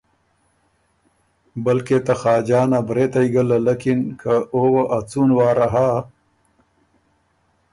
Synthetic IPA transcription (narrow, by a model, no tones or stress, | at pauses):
bɐlket̪ɐxaːd͡ʒaːnabɾet̪aiɡəlalakinkʰaowaʔat͡sunwaːɾaɦa